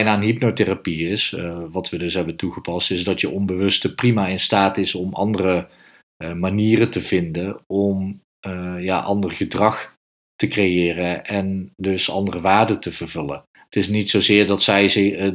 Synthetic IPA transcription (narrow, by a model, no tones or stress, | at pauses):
jnaːənɦipnoterapiɪsʋɑtʋədɵsɦɛbəntuχəpɑstɪzdɑtjəʔɔnbəʋɵstəprimaːɪnstaːtɪsɔmʔɑ̰ndərə | maniːrətəvɪndəɔm | ja̰ːʔɑndərχədrɑχ | təkrejɪːrəʔɛndɵsɑ̰ndərəʋaːɹdətəvərvɵlə̰n | ətɪsnitsowzɪːɹdɑtsɛjz